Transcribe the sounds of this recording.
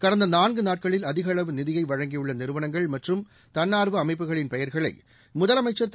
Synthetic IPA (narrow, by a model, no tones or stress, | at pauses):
kɐɽɐnd̪ɐnaːnɡɯnaːʈ̚kɐɭɪlɐðɪɣɐɭɐʋɯnɪðɪjɐɪʋɐɻɐŋɡijɯɭːɐnɪɾɯʋɐnɐŋɡɐɭmɐʈrɯm | t̪ɐnːaːɾʋɯɐmɐɪp̬ːɯɣɐɭɪnpɛjɐɾɣɐɭɐ̰ɪ | mʊðɐlɐmɐɪt͡ʃːɐɾt̪ː